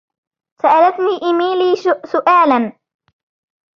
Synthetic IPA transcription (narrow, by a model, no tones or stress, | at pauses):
saʔalat̪niːʔɪmiːliːsʊʔaːlan